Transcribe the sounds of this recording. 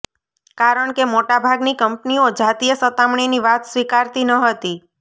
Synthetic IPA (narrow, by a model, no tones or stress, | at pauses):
kaɾəɳkemoʈabʱaɡnikəmpniod͡ʒat̪ijəsət̪amɳiniʋat̪sʋikaɾt̪inəɦət̪i